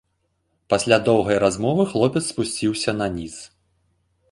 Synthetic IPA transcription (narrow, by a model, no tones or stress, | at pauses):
pasʲlʲad̪ɔwɣɐjɾazmɔvɨxlˠɔpʲɛt̪spusʲt͡sʲiwsʲɐnɐnʲis